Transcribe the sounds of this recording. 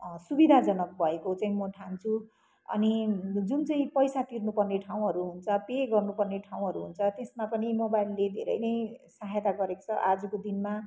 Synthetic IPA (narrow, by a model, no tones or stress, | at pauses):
subid̪ʱad͡zʌnʌk̚bʱʌekot͡saĩmʌʈʰant͡sʰu | ʌ̰nid͡zunt͡saĩpʌjsat̪irnupʌrneʈʰaw̃ɦʌɾuɦunt͡sʰʌpeɡʌrnupʌrneʈʰaw̃ɦʌɾuɦunt͡sʰʌt̪esmapʌnimobajlːed̪ʱḛɾʌ̰jnʌj̃saɦjt̪aɡʌɾeko̥t͡sʰʌʔad͡zʌkod̪inma